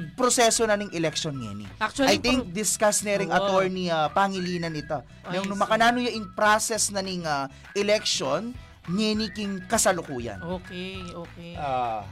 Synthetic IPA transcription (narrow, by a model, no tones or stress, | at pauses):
pɾosɛsonɐnɐŋʔɛlɛk̚ʃonŋɛ̰nḭʔak̚t͡ʃɐajt̪ɪŋk̚d̪ɪskasnɛɾɪŋʔɐt̪oɹniapaŋɪliːnɐnɪt̪o | ɛɾonʊmɐkɐnaːnojɐʔɪŋpɾasɛsnɐnɪŋa | ʔɛlɛk̚ʃon | ŋɛnikɪŋkɐsɐlokuːjɐ̰nokeokea